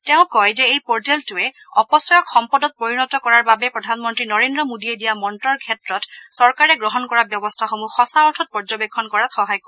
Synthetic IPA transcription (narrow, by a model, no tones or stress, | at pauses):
tɛʊ̃kɔjzɛejpɔɹd͡ʒɛltʊɛ | ɔpɔsɔjɔkxɔmpɔdɔt̚poɹinɔtɔkɔɹaɹbabɛpɹɔdʱanmɔntɹinɔɹendɹɔmodiedijamɔntɹɔɹkʰɛtɹɔtsɔɹkaɹɛɡɹɔɦɔnkɔɹabjɔbɔstʰaxomuxɔsaɔɹtʰɔt̚pɔɹzɔbekʰːɔnkɔɹatxɔɦajkɔɹɛ